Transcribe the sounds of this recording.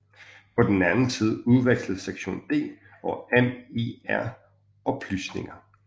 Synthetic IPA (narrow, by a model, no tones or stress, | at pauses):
pʰɒ̽d̥enænn̩sið̞ˠuð̞ˠʋeɡ̥sləseɡ̥ɕo̝̰ːnd̥e̝̰ː | ɒ̽eme̝æɐ̰ | ɒ̽b̥ʰlysne̝ŋɐ